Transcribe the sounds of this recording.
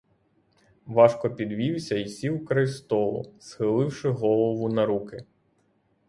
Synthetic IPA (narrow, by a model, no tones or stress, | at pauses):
ʋɑʃkɔpʲid̪ʋʲiwsʲɐisʲiwkɾɪst̪ɔlˠʊ̰sxɪlˠɪwʃɪɦɔlˠɔʋʊnɐɾukɪ